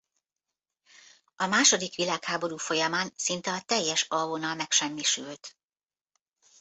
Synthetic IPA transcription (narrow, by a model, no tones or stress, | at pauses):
ɒmaːʃo̞d̪ikʋilaːkhaːbo̞ɾuːfo̞jɒmaːnsint̪ɛɒt̪ɛjːɛʃɒvonɒlmɛkʃɛmːiʃylt̪